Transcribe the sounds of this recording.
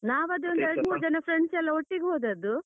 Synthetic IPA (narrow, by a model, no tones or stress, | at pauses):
naːʋuɐd̪eond̪ɛɾɽmuːɾud͡ʒɐnɐpʰɾeɳɖsɛlːɐoʈːiɡeɦoːd̪ɐd̪ːu